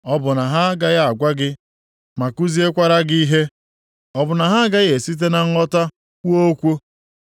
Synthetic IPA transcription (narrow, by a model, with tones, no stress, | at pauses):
ɔ˦bʊ˨na˨ɦa˦ɡa˦ja˦a˨ɡʷa˦ɡɪ˦ | ma˨ku˦zi˦e˦kʷa˦ɾa˦ɡi˦i˦ɦe˦ | ɔ˦bʊ˨na˨ɦa˦a˦ɡa˦ɣe˨si˦t̬e˦na˦ŋ̩˦ɔ˦ta˦ | o˦kʷo˦